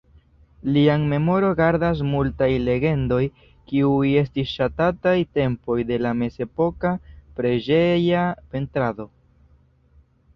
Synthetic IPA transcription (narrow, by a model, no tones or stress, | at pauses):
liaŋme̞mo̞ɾo̞ɡaɾdas̬multajle̞ɡe̞ndo̞j | kiuje̞stisʃatatajte̞mpo̞jde̞lame̞ze̞po̞kapɾe̞d͡ʒe̞jape̞ntɾado̞